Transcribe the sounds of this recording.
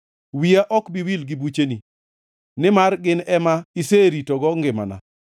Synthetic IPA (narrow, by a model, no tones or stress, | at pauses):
wiaʔɔkbiwilɡɪbut͡ʃeni | nɪmaɾɡɪnɛmaiseɾitɔɡɔŋɡɪma̰na̰